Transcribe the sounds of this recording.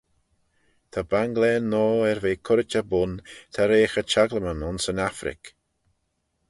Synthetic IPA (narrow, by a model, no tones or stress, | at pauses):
t̪ʰabaŋɡlɛːnːɔːɛɾveːkʰʊɾɪt͡ʃəbʊnt̪ʰaɾeːxət͡ʃaɡləmənʊnsənafɾɪ̰k